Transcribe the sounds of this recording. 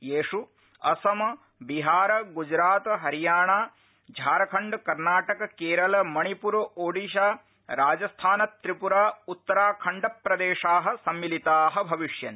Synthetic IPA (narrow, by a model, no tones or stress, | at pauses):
jeːʂu | ɐ̰sɐmɐ | biɦaːɾɐɡud͡ʒɾaːt̪ɦɐɾijaːɳaː | d͡ʒʱaːɾɐkʰɐɳɖkɐɾnaːʈɐkɐkeːɾɐlɐmɐɳipuɾɐʔoːɖiʃaː | ɾaːd͡ʒɐst̪ʰaːnɐt̪ɾipuɾaːut̪ːɐɾaːkʰɐɳɖɐpɾɐd̪eːʂaːɦɐ̆sɐmːilit̪aːɦɐbʱɐʋiʂjɐn